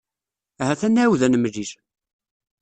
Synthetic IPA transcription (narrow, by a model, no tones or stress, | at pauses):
ɦæθænːæwðænmliʃ